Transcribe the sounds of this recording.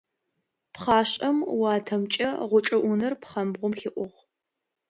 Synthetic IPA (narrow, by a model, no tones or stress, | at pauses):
pχɑːɕʼɐmwɑːtʰɐmt͡ʃʼɐʁʷʊt͡ʃʼɐʔʷʊnɐrpχɐmbʁʷʊmxɪʔʷʊʁ